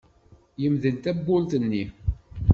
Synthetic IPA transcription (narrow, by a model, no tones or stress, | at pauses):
jəmðəlt̪æbːʊlt̪ənːi